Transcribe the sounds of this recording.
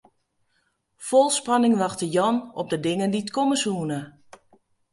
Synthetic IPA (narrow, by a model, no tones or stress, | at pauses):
fɔlˠspɑnɪŋʋɑxtəjɔnɔp̚dədɪŋənditkɔməsuːənə